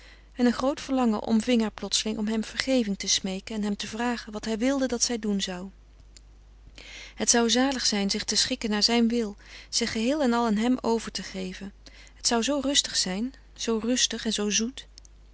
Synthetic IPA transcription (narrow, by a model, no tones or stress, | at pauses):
ɛnənχrowtfəɹlɑŋəʔɔ̰mvɪŋɦaːɹplɔtsəlɪŋʔɔmɦɛmv̥əɹχejvɪŋtəsmejkənɛnɦɛmtəvraːχənʋɑtɦɛjʋɪlˠdədɑtsɛjdunzɑw | ɦətsʌwzaːləχsɛjnzɪχtəsχɪkənaːɹzɛjnʋɪlˠz̥ɪχːəɦɪːlˠɛnɑlˠanɦɛmowvəɹtəχejvən | ɦətsʌwzowrɵstəχsɛjn | z̥owrɵstəχɛnzowzut